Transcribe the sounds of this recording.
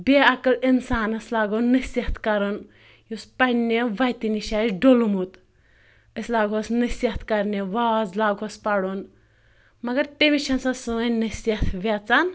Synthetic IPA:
bʲeɐkɐlinsaːnɐslaːɡonːɐsʲɐɦt̪ʰkɐɾon | juspɐneʋɐt̪iniʃaːt͡ʃɖolumut̪ | əslaːɡosnɨsʲɐt̪ʰkɐɾneʋaːd͡zlaːɡɐspɐɽon | mɐɡɐɾt̪eʋit͡ʃʰɐnsɐsɨɐnɐsʲɐt̪ʰʋʲɐt͡san

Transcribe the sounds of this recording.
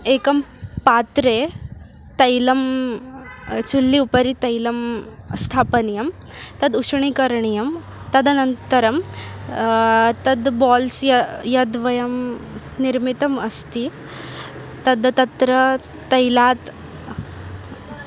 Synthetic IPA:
eːkɐmpaːt̪ɾeː | t̪ɐjlɐm | t͡ʃulːiupɐɾit̪ɐjlɐm | st̪ʰaːpɐnijɐm | t̪ɐd̪uʂɳikɐɾɳijɐm | t̪ɐd̪ɐnɐnt̪ɐɾɐm | t̪ɐd̪baːlsjɐjɐd̪ʋɐjɐm | niɾmit̪ɐmɐst̪i | t̪ɐd̪t̪ɐt̪ɾɐː | ɐjlaːt̪

